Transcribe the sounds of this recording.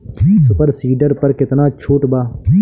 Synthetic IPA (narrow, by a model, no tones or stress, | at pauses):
sʊpəɾsiːɖəɾpəɾkɪt̪naːt͡ʃʰuːʈbaː